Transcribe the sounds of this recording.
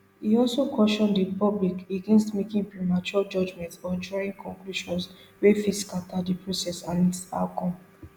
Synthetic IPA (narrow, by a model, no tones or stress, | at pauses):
hiɔlsokɔʃɔ̃ndipɔblikeɡɛ̃nstmekĩŋpɹimat͡ʃuad͡ʒɔd͡ʒmɛ̃ntsɔ̃nd͡ʒɔĩŋkʰɔ̃ŋkluʃɔ̃nswefiskatadipɹosɛsãnita̰ʊkɔ̃m